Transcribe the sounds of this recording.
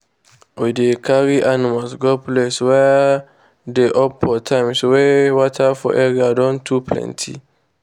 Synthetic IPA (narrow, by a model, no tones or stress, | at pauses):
ʔɔjdekaɾiʔanimasɡɔplɛswɛ | deʔɔpːɔtʰãjmswɛwatʰafɔ̰ʔɛɾiadɔ̃ntʰuplɛ̰̃ntʰḭ